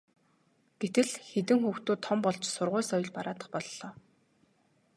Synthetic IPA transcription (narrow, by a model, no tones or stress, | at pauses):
ɡ̥et̪ɘ̆ɮxet̪ɘ̆ŋxuːxt̪uːt̪ʰːɔmpɔɮt͡ɕsʊrʁʊːsɔjɞ̆ɮpaɾaːt̪ə̆χpɔɮːɔː